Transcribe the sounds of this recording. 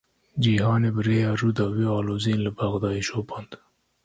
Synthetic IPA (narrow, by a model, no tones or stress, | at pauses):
d͡ʒiɦɑːnebɾeaɾud̪awiɑːlozinləbaɣd̪ɑːiʃopɑnd̪